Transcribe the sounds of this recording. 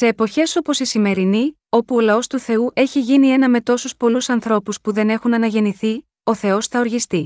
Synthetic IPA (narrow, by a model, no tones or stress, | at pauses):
se̞ːpo̞çe̞so̞po̞sisime̞ɾini | o̞puo̞lɐo̞st̪uθe̞uʔe̞çiʝinie̞nɐme̞t̪o̞suspo̞lusɐnθɾo̞puspuðe̞ne̞xunɐnɐʝe̞niθi | o̞θe̞o̞sθɐo̞ɾʝist̪i